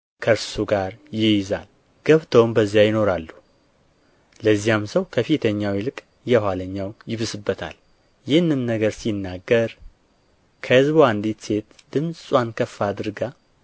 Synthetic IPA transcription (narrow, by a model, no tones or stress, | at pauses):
kʰəɾsuɡaɾjɪjza̰l | ɡ̥əβt̪ʰəwmbəzːijajɪno̞ɾalːu | ləzːijamsəwkʰəfit̪ʰəɲːawilɨkʼ | jɛhʷaləɲːawjɪβɨsɨbːət̪ʰa̰l | jɪhɨnːɨmnəɡəɾsinːaɡːəɾ | kʰəhɨzboand̪it̪se̞t̪d̪̥ɨmsʼsʼwankʰəfːad̪ɨɾɡa